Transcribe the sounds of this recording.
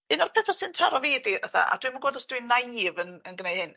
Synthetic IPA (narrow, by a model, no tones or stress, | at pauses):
ɨnɔrpʰɛpʰasɨntʰaɾɔveːdiəθa̰ʔa̰d̥wivunɡoːdɔsd̥winajvənənɡnejhɪn